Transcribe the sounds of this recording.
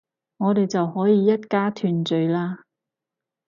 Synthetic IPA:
ŋɔː˨˧t̪e˨jt͡sɐ˨whɔː˨˥jiː˨˧jɐ˥t̚kaː˥t̪ʰyː˨˩nt͡ʃɵ˨jlaː˧

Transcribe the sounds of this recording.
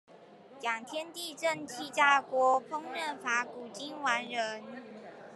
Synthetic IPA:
ljɑ˨˩ŋt̪ʰjɛ˥nt̪i˥˧ʈ͡ʂə˥˧nt͡ɕʰi˥t͡ɕja˥kwɔ˧˥pʰʊ˥ŋɻə˥˩nfa˧˥˦ku˨˩t͡ɕi˥nwa˧˥nɻə˧˦n

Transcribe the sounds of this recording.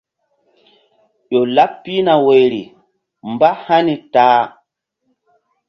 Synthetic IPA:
ɗo˨la˦pːi˦na˨we˨jɾḭ˨ | mba˦ha˦ni˨taː˨˦

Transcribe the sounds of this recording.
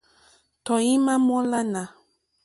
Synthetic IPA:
tɔ˨jĩ˦mã˦mɔ̃˦la˦nã˨

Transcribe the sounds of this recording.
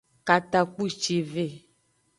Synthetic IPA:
ka˨t̪a˨k͡pu˦t͡ʃe˨ve˦˨

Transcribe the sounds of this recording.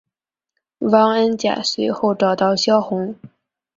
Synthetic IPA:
wɑ˥ŋə˥nt͡ɕja̰˨˩se˧˥ɪxo˥˩ʊʈ͡ʂɑ˨˩ʊt̪ɑ˥˩ʊɕjɑ˥ʊxʊ˧˥ŋ

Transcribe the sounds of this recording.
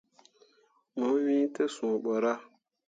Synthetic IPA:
mõ˨˦wĩ˦te˦sũ˨ɓɔ˨ɾa˦

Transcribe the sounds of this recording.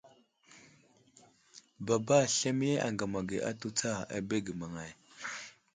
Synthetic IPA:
ba˨ba˦ɬa˦mi˦je˦ʔa̰˨ŋɡa˨ma˨ɡe˨ʔa̰˦tu˦t͡sa˦˨a̰˨be˦ɡi˨ma˨ŋa˨j

